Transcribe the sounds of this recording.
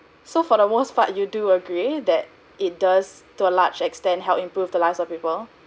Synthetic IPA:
sofɔdəmospa̰tjuduəɡɹidɛt̚ | it̚dastuəlat͡ʃɛkstɛ̃ntɦɛlˠpĩmpɹuvdəlaɪfsɔfpipəl

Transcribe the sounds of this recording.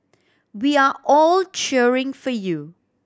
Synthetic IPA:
wiaʔɔlt͡ʃɛɹɪ̃ŋfɔju

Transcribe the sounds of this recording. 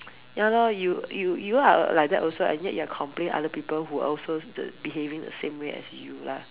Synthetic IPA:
jãlɔjujujua̰laɪjk̚dɛʔɔlsoɛ̰̃njɛʔ̚juakʰɔ̃mplẽnʔa̰dəpipəlɦua̰ʔɔlsodə̰biɦevĩŋdə̰sẽmweʔɛ̰sjula̰

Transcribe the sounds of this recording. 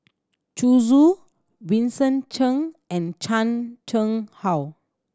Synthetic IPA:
t͡ʃuzu | wĩnsə̃nt͡ʃə̃ŋɛ̃nt͡ʃãnt͡ʃə̃ŋhaw

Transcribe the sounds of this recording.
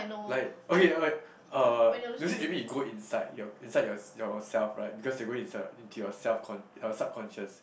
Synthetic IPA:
laɪkokeke | ʌnusemebĩjuɡoĩnsaɪdjɔĩnsaɪdjɔjɔsɛlfɹaɪt̚bikɔsdeɡoĩnsaɪdĩntʰujɔsɛlfkʰɔ̃nɔsap̚kʰɔ̃nʃəs

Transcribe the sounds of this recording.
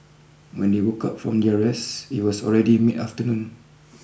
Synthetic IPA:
wɛ̃ndewokʰap̚fɹɔ̃mdiaɹɛsit̚wɔsɔ̰lɹɛdimitaftənũn

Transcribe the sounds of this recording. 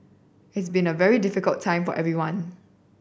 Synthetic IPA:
ɪtsbĩnəvɛɹidɪfɪkəltʰːãɪ̃mfɔʔɛvɹiwãn

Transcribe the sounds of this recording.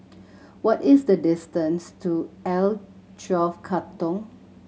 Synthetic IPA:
wɔtɪsdədɪstə̃nstʰuɛl | t͡ʃɔfkʰatɔ̃ŋ

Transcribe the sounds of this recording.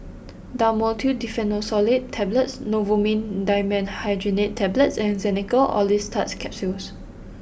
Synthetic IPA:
damɔltʰudifɛ̃nosɔlit̚tʰːɛblətsnovomĩndajmə̃nhajd͡ʒinittʰːɛblətsɛ̃nzɛnikəlɔ̰listʰatskʰɛp̚suls

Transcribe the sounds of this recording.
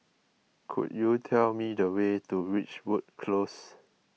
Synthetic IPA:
kʰṵdjutʰɛlmidəwetuɹit͡ʃwut̚kʰlos

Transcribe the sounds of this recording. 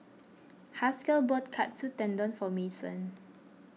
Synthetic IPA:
haskəlbɔt̚kʰat̚sutɛ̃ndɔ̃nfɔmesə̰̃n

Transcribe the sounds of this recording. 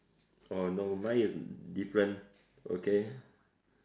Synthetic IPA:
onomãisdifɹɛ̃n | o̰ke

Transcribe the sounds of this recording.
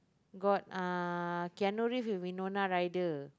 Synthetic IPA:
ɡɔt̚akianuɹifiwinonãɹajdə

